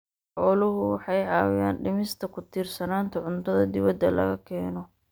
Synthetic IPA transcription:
ħɔːlʊɦʊwɑħɑjʕɑːwɪja̰ːnɖɪmɪst̪ʰɐkʰʊt̪ʰiːrsɐnaːnt̪ʰɐʕʊnt̪ʰɐðɐd̪ɪβɐd̪ɐlɐ̰ɣɐkʰɛːnɔ

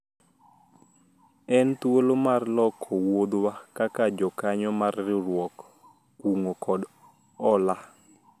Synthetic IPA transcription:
ɛnt̪wolomarlɔkʰːɔwod̪wakakad͡ʒɔkaɲɔmarːɪɾwɔk | uŋokʰɔd | ɔla

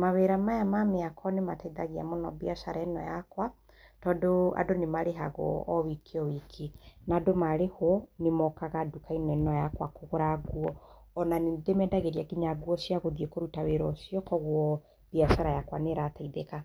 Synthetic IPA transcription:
maβeɾamajamameakʰɔnemataiðaɣia̰mɔnɔ̰biasaɾaɛnɔ̰jakwa | tɔːdoa̰donemaɾeɦa̰ɣɔ̰ːwikʰiɔwikʰinadomaɾehwɔnemɔkaɣadukainɛnɔjakwa̰koɣoɾaɡwɔːnanedemɛdaɣeɾiaɡiɲaɡuɔsiaɣoðiekoɾutaweɾɔsjɔkɔɣwɔ | b̥iasaɾajakwaneɾataiðeka

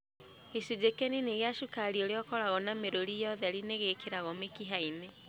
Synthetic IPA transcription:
esud͡ʑekɛnineɣeaʃukaɾiɔɾeɔkɔɾaɣɔnameɾoɾijɔðɛɾineɣekeɾaɣɔmekiɦaine

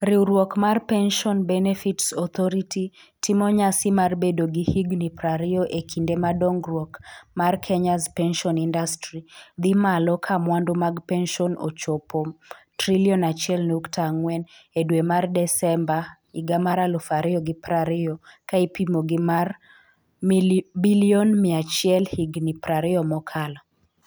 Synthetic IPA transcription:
ɾiuɾwɔkmarpɛnʃɔnbɛnɛfitsɔt̪ʰɔɾititimɔɲasimarbedoɡihiɡnipɾaɾɪoʔekʰindemadɔŋɡrwɔkmarkʰɛɲazpɛnʃɔnindastrid̪imalɔkʰamwandomaɡpɛnʃɔno̰t͡ʃopotɾiliɔnat͡ʃjɛlnuktʰaŋwɛnedwemardɛsɛmba | iɡamaɾalɔfaɾɪɔɡɪpɾaɾɪɔkaipimoɡɪmar | biliɔnmɪat͡ʃɪɛlhiɡnipɾaɾɪɔmɔkʰala

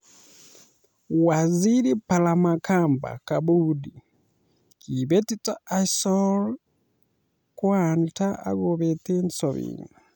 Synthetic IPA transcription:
waziɾipalamakʰamba̰kabudi | kibɛtitʼaaisɔl | kwantʰaa̰ɡɔβɛt̪ensɔβḭŋa

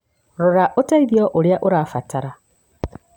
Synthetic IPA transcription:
ɾɔɾaʔotaiðjɔʔoɾeaʔoɾaːfatʰaɾa

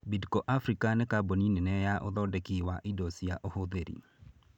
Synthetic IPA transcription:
bidkɔʔafɾikanekaboninenɛjaʔo̰ðɔdekiwaʔidɔsiaʔohoðeɾḭ

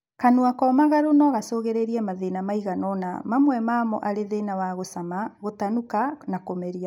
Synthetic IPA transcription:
kanuakɔmaɣaɾonɔɣasoɣeɾeɾiɛmaðenamaiɣanɔna̰mamwɛmamɔ̰ʔaɾeðenawaɣosamaɣotanukanakomɛɾia

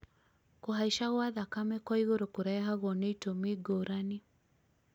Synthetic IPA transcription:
kɔɦaiʃaɣwaðakamɛkwɔiɣoɾokuɾaɛɦaɣɔnɛitomiɡɔɾani

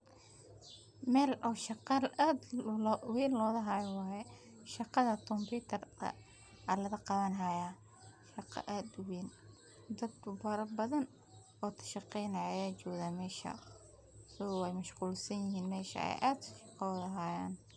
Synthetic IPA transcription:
mɛːlʔɔːʃɑqɑlaːd̪wiːnlɔːðɐɦaːjɔwɑːjɛ | ʃɑqɑðɐt̪ʰɔmpuːt̪ʰɐrt̪ʰɐ̰ | ɐlɐðɐqɑβɐnɦɐjaː | ʃɑqɑ̰ʔaːd̪ʊwiːn | d̪ɐd̪kʰʊbɐɾɐbɐðɐn | ɔːt̪ʰɐ̥ʃɑqɛjnaːjaːt͡ʃɔːɡðaːmɛːʃɐ̰ | sɐɣɔːwɛjmɐʃquːlsɐnjɪɦiːnmɛːʃɐ̰ɛ̰jʔaːd̪sʃɑqɑɔðɐɦaːjaːn

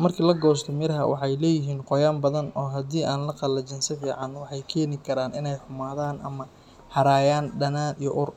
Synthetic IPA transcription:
mɐrkʰiːlɐɡɔːst̪ʰɔmɪɾɦɐ̰wɑ̰ħɑjlɛːjɪɦiːnqɔjaːmbɐðɐnɔːɦɐd̪iːʔaːnlɐqɑlɐt͡ʃɪnsɪfiːʕɑnwɑħɑjkʰɛːnɪkʰɐɾaːnɪnɛjħʊmaːðaːnʔɐmɐ | hɐɾaːjaːnɖɐnaːnijɔʔʊr

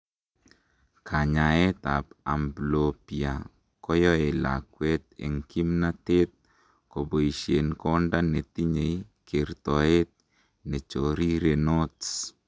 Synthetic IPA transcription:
kʰaɲaet̪apamblopia | kɔjɔela̰kwɛt̪̚ḛŋkimnat̪et̪̚ | koboiʃjenkɔndanet̪iɲeikeɾt̪ɔet̪̚ | nɛt͡ʃoɾiɾenots

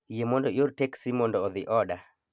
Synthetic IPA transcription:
jemɔndɔjoɾteksimɔndɔːðɪʔɔɗa

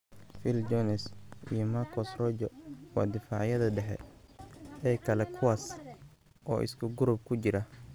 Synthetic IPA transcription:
fɪld͡ʒɔnɛsʔijɔmarkʰɔsrɔd͡ʒɔwɑ̰ːd̪ɪfaːʕjɐðɐɖɛħɛ̰ | ɛːkʰɐlɛkʰʊwaːs | ʔɔːʔɪ̰skʰʊɡʊɾʊb̚kʰʊt͡ʃɪɾɐ

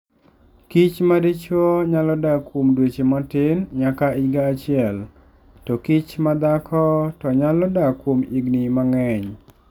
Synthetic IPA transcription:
kit͡ʃmadit͡ʃɔɲalɔdakwomdwet͡ʃemɔtɪnɲakaiɡaːt͡ʃɪɛl | tɔkit͡ʃmad̪akʰɔtɔɲalɔdakwomḭɡnimaŋɛɲ

